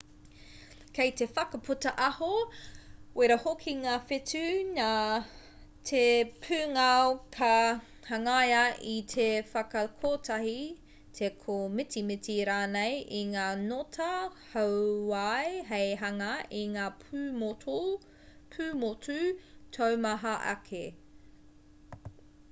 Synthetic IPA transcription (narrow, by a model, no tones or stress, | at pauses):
kʰejt̪efɐkɐpʰutɐʔɐho | weɾɐhokʰiŋaːfɪtʉna | tʰepʰʉːŋakʰɐ | hɐŋajɐʔitʰefɐkɐkʰoːtʰɐhi | t̪ʰekʰomɪtimɪtiɾaːnejiŋaːnotʰɐhɐwwajɦejɦɐŋɐiŋaːoo | pʰʉːmotʉtʰowmɐɦɐʔɐ̰kʰe